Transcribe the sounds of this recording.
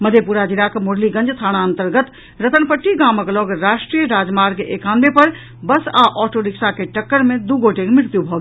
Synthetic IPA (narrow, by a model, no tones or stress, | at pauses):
məd̪ʱjepuɾad͡ʒilakemoɽliɡə̃nd͡ʒt̪ʰaɽ̃aənt̪əɾɡət̪ | ɾət̪ənpəʈːiɡaməklɔɡɾasʈɾijəɾad͡ʒmaɾɡekand̪epəɾ | bəsaʔɔʈoɾiksakeʈəkːəɾmed̪uɡoʈekmɪɾt̪jubʱɔɡ